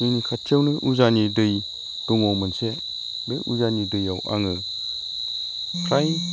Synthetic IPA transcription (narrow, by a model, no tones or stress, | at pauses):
ɯnikʰatʰewnɯʔuzanidɯj | d̥uŋɔwmɯnse | beʔuzanidɯjawʔa̰ŋɯ | kʰɾaj